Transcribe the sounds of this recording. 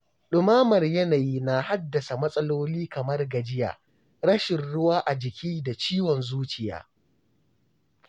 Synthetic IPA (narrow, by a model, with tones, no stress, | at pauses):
ɗʊ˨maː˦mɐ˨rjɐ˦naː˨jiː˦na˨ha˦dːɐ˨sa˨mɐ˦sʼɐ˦loː˦liː˦kɐ˨mɐ˦rɡɐ˨d͡ʒɪ˦ja̰ː˨ | ɾɽɐ˦ʃɪ˨nɽʊ˦waː˦ʔa˨d͡ʒɪ˨kʲiː˦da˨t͡ʃiː˦wɔ˨nzuː˦t͡ʃɪ˨ja̰ː˦